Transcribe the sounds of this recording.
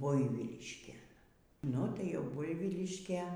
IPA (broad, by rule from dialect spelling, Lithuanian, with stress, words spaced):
ˈbʊɪʋʲiːlʲɪʃʲkʲeːn ˈnʊ ˈtɐɪ ˈjɛʊ ˈbʊɪʋʲiːlʲɪʃʲkʲeː